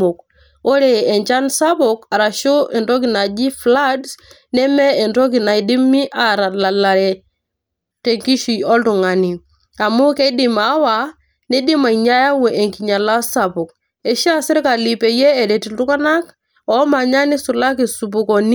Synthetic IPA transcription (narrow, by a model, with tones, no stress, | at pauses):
ɔ˨k̚ | o˦ɾe˨ɛ˨nt͡ʃa˦nsa˦pɔ˨ka˨ɾa˨ʃo˦ʔɛ˨ntɔ˦k̬ɪ˨na˨d͡ʒi˦fla˦ds | nɛ˦mɛ˦ɛ˨ntɔ˦k̬i˨na˨i˨di˦mːi˦ʔa˨ɾa˨la˨la˨ɾɛ˨ | tɛ˨ŋki˦ʃi˨ɔ˦ltu˨ŋa˨ni˨ | a˨mʊ˦kɛ˦dɪ˨ma˨˦wa | nɛ˦dɪ˦ma˨i˨ɲa˦ja˦wɛ˨ʔɛ˨ŋki˨ɲa˨la˦sa˨pɔ˨k̚ | ɛ˨ʃa˦sɪ˦ɾka˨li˨pɛ˨jɛ˦ɛ˨ɾɛ˨ti˨ltu˦ka˦na˦k | ɔ˨˦ma˨ɲa˦nɪ˦su˨la˦ki˨su˨p̬u˨kɔ˨ni˦